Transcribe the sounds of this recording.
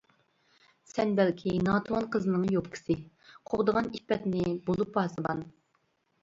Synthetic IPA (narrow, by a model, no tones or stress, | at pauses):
sɛnbælkʲʰinɑːt̪ʰwɑnqʰəzɨnɨŋjopkʲʰɪ̥sɪ | qʰoʁd̪əʁɑnipːɛt̪nɪbolˠup̚bɑsɨbɑn